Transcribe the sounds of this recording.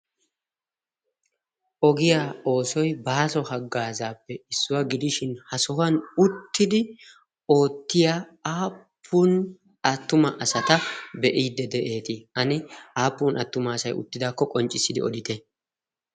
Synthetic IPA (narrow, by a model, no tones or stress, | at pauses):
ʔɔɡɪjaːo̞ːsɔjbaːsɔhɐɡːaːzaːpːɛɪsːʊwɐɡɪd̪ɪʃɪnhɐsɔɦɐnʊt̪ːɪd̪ɪ | o̞ːt̪ːɪjaː | aːpʰːun | ɐt̪ːʊmɐʔɐsɐt̪ɐbɛʔiːd̪ːɛd̪ɛʔe̞ːt̪ɪɐnɪaːpːuːnʔɐt̪ːʊmɐːsɐjʊ̰t̪ːɪd̪aːkːɔkʼɔnt͡ʃʼɪsːɪd̪ɪ̰ɔ̰d̪ɪt̪ɛ